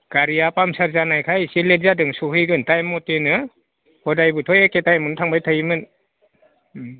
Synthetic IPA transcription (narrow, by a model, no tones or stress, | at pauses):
ɡ̥aɾijapamsaɾzanajkʰajsilezadɯŋsuhɯjɡɯntajmɔtenɯ | hɔdajbɯtʰɔjeketajmɯntʰaŋbajtʰajimɯn